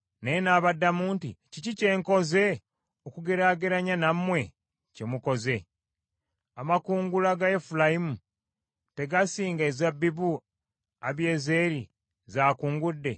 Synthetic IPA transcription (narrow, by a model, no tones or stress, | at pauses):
neenaːβadːamuːntḭcicice̞ːŋko̞ze̞ | okuɡe̞ɾaːɡeɾaɲanammːwe̞ | ce̞muko̞ze̞ | amakuːŋɡulaɡaefulajimu | te̞ɡasiːŋɡaezabiβu | aβje̞ːzeːɾi | zaːkuːŋɡudːe̞